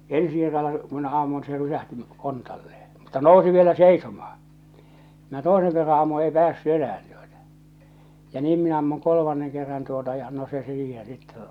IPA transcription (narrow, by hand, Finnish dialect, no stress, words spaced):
ensi kerːɑlːɑ ku minæ ɑmːun se rysæhti kontɑlːee mutːɑ noˑu̞si ʋielæ seisomɑː minæ toˑeseŋ kerːɑ ɑmːu ei pæːsːy enææn tuotɑ jɑ niːm minæ ɑmːuŋ kolomɑnːeŋ kerːɑn tuotɑ jɑ no se siːhẽː sitːe